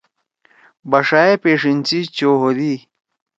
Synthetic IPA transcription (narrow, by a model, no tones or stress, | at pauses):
bɐʂaepeːʂint͡ɕit͡ɕoːɦod̪i